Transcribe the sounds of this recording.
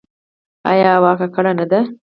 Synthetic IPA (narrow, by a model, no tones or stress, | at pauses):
ɐjaːʋaːkɐkɐɽɐnɐd̪ɐ